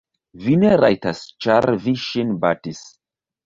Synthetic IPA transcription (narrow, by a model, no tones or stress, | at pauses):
vineɾajtast͡ʃaɾviʃinbatis